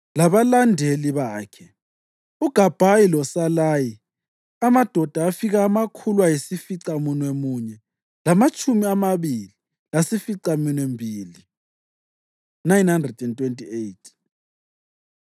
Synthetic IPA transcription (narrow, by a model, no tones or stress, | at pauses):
laβalandʱeliβaːkʰɛ | uɡ̥ʱab̥ʱajilɔsalaːji | amad̥ʱɔd̥ʱaːfiɣaːmakʰulwajisifiǀamunwemuɲɛ | lamat͡ʃʼumiamaβili | lasifiǀaminwembʱiːli | najnhandrɛdɛntʼwentʼiejtʰ